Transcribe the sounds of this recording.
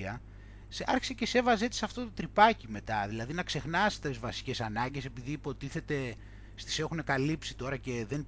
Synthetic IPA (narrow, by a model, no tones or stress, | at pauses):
ɐ | sɐɾçi̥se̞ce̞se̞vɐzeet̪i̥sɐft̪o̞t̪ot̪ɾipɐcime̞t̪ɐðilɐðinɐkse̞xnɐst̪zvɐsi̥ce̞sɐnɐɲɟe̞se̞piðiːpo̞t̪iθe̞t̪e̞ | st̪i̥se̞xune̞kɐlipsit̪o̞ɾɐceðen